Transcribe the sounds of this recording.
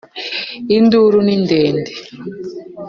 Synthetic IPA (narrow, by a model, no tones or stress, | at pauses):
induɾunindɛːndʱɛ